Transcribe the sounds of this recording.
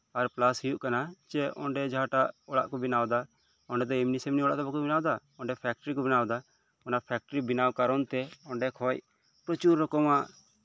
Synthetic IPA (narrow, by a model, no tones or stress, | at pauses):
ɐɾplasɦijuʔkanat͡ʃɛɔ̰̃ɳɖɛd͡ʒʱaːʈaʔɔɭa̰ʔkɔbɪnaːwd̪a | ɔɳɖɛt̪̬ɔimnisemniɔɭaʔt̪ɔbɔkɔbɪnaːwd̪a | ɔɳɖɛpʰɛːk̚ʈɾikɔbɪnaːd̪a | ɔnapʰɛːk̚ʈəɾibɪnaːwkaɾɔnt̪ɛɔɳɖɛkʰɔj | pɾɔt͡ʃuɾːɔkɔmãʔ